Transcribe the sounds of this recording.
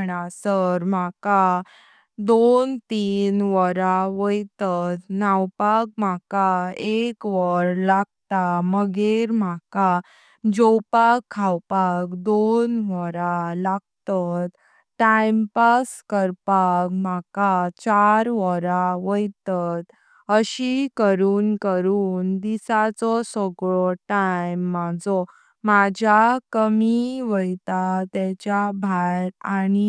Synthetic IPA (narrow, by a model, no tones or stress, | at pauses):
ɳasəɾm̤aka | d̪ont̪iːnʋəɾaʋəjt̪at̪nawpak̚m̤akaekʋəɾlaɡ̚t̪aməɡiɾmaka | d͡ʑɔwpakʰːawpakd̪onʋɔɾalaɡt̪at̪ | ʈajmpaskəɾpakmakat͡ɕaɾʋɔɾaʋəjt̪at̪ | əɕikəɾuːnkəɾuːnd̪isat͡sɔsɔɡɭɔʈajmːad͡zɔ | mad͡ʑʱakəmiʋəjt̪at̪ɛt͡ɕjabʱaɾani